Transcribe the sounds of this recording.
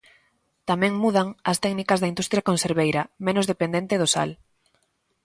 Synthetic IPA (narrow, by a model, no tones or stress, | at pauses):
t̪amɛ̃ŋmuðaŋɐst̪ɛknikɐzðɐind̪ust̪ɾjakõnseɾβejɾɐmẽnʊzðepend̪ẽnt̪ɪðʊsa̰l